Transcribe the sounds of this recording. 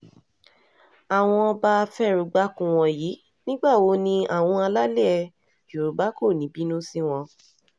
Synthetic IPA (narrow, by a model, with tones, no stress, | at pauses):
a˨w̃ɔ̃˧ba˧fɛ˦ɾu˨˧ɡ͡ba˦kũ˦w̃ɔ̃˧ji˨˦ | nĩ˦ɡ͡ba˦˨o˨˦nĩ˧a˨w̃ɔ̃˧a˧la˦le˦ɛ˧ | ju˨ɾu˨ɡ͡ba˦ko˦˨nĩ˨˦bi˨˦nũ˦si˦w̃ɔ̃˧